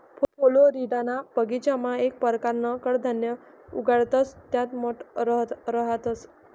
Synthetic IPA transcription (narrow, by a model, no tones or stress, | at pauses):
pʰopʰoloɾiɖanapəɡit͡ɕamãek̚pəɾkaɾnəkəɽd̪ʱənjə | uɡaɭt̪əst̪jat̪moʈɾəɾəɦət̪əs